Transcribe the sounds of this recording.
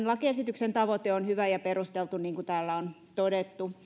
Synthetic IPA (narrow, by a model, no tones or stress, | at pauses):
nlɑkiesit̪yksent̪ɑʋot̪eonhyʋæjɑperust̪elt̪unniːŋkut̪æːlːæon | t̪odet̪ːu